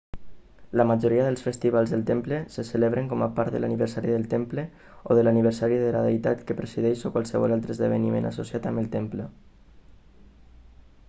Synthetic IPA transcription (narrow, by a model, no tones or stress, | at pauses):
ləmaʒoɾiəðəlˠsfəst̪iβalˠzðəlˠt̪empləsəsəleβɾəŋkɔməpaɾt̪ðəlʔa̰niβ̞əɾsaɾiðəlˠt̪emplə | oðəlaniβ̞əɾsaɾiðəlaðejt̪at̪kəpɾəsiðɛʃokwalˠsəβɔ̰lalˠt̪ɾəzðəβ̞ənimḛna̰sosiat̪əməlˠt̪emplə